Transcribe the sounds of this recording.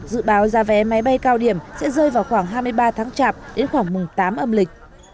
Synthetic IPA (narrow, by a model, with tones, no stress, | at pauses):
zɨ̰˧˨ɓaː˨˦wzaː˨˦vɛ˨˦ma˨˦jɓa˧jkaː˧wɗi˧˩əmsɛ̰˧˥zəː˧jvaː˨˩wxwaː˧˩ŋɦaː˧jmɨ˧əjɓaː˧t̪ʰaː˨˦ŋt͡ɕaː˧˩p̚ɗe˨˦nxwaː˧˩ŋmʊ˨˩ŋ͡mt̪aː˨˦mʔə˧mlï˨˩k̟̚